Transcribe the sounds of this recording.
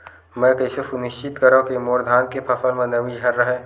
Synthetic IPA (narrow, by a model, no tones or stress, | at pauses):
mɛ̃ːkəɪsesunɪʃt͡ʃɪt̪kəɾõkemoːɾd̪ʱaːnkepʰɐfəlmɐ̃nɐʋĩd͡ʒʱɐɾːəɦɛː